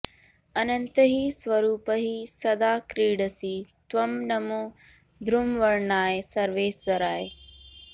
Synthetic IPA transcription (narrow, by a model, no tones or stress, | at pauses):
ɐnə̃nt̪əɦiːsʋɐɾuːpəɦiːsɐd̪aːkɾiːɖəsiːt̪ʋɐmnɐmoː | d̪ʱɾʊmʋɐɽnaːesɐɾʋeːszɐɾaːeː